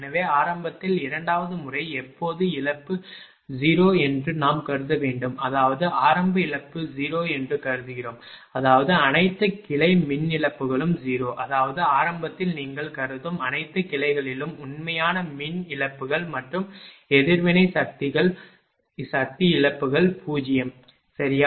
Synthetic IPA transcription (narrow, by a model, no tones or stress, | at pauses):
nɐʋeːaːɾɐmbɐt̪ːɪlɪɾɐɳɖaːʋɐðɯmʊrɐɪɛpːoːðɯɪɭɐpːɯ | d͡ʒiːɾoːɛndrɯnaːmkɐɾɯðɐʋeːɳɖɯmɐðaːʋɐðɯaːɾɐmbɐɪɻɐpːɯd͡ʒiːɾoːɛndrɯkɐɾɯðɯɣɪroːm | ɐðaːʋɐðɯɐnɐɪt̪ːɐkɪɭɐɪmɪnɪɭɐpːɯɣɐɭɯmd͡ʒiːɾoːʔɐðaːʋɐðɯaːɾɐmbɐt̪ːɪlniːŋɡɐɭkɐɾɯðɯmɐnɐɪt̪ːɐkɪlɐɪɣɐɭɪlɯmʊnmɐjaːnɐmɪnɪɻɐpːɯɣɐɭmɐʈrɯmɛðɪɾʋɪnɐɪsɐk̚t̪ɪɣɐɭ | sɐk̚t̪iɪɻɐpːɯɣɐɭpʰuːd͡ʒɪjɐm | sɐɾɪja